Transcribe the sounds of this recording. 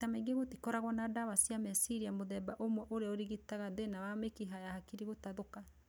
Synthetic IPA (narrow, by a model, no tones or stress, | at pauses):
amaiŋɡeɣoti̥kɔɾaɣwɔnadaβasiamɛsiɾiamoðɛbaʔomwɛʔoɾeɔɾiɣitaɣaðenawamekiɦajahakiɾiɣotaðoka